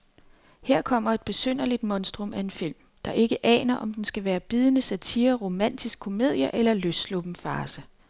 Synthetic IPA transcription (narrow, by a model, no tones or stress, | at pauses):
heɐ̰kʰɒ̽m̰ɐe̝d̥̚b̥e̝søn̰ɐlid̥mɒ̽nsd̥ʁɔmʔæe̝nfil̰m | d̥ɑ̈ʔe̝ɡ̥əʔɛ̰ːnɐʔɒ̽md̥ensɡ̥æʋæːɐb̥iːðˠənəsæt͡sʰiːɐʁo̝mæn̰d̥isɡ̥kʰːo̝me̝ð̰ˠjɐʔelɐløsslob̥m̩fɑ̈ːsə